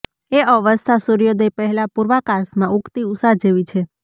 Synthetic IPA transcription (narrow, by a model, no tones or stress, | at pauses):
eəʋəst̪ʰasuɾijod̪epəɦɛlapuɾʋakasmãʔukt̪iusaɦd͡ʒeʋit͡ʃʰe